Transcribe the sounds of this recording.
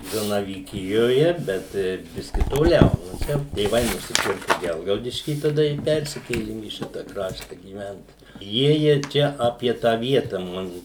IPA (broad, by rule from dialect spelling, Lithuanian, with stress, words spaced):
zɐnɐʋʲiːˈkʲɪjoːjɛ ˈbʲɛt ˈbʲɪsʲkʲɪ toːˈlʲɛʊ noː ˈt͡ʃʲɛ tʲeːˈʋɐɪ nʊsʲɪˈpʲɪrkʊ ˈɡʲɛlˠɡɐʊdʲɪʃʲkʲiː tɐˈdɐ ɪ ˈpʲɛrʲsʲɪkʲeːlʲɪm iː ˈʃʲɪtɐ ˈkrɑːʃtɐ ɡʲiːˈʋʲɛnt ˈjiɛjiɛ ˈt͡ʃʲɛ ˈɑːpʲiɛ tɑː ˈʋʲiɛtɐ ˈmɑːnʊ